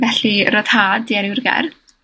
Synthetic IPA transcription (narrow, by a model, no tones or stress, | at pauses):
vɛɬirɔð̥haːdiɛɾɪwrɡɛ̰r